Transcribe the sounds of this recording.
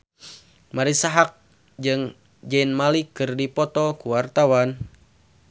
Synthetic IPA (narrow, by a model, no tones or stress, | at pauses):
maɾisaɦak̚ | d͡ʒɨŋ | d͡ʒɛnmalikɨrdipɔt̪ɔkuwart̪awan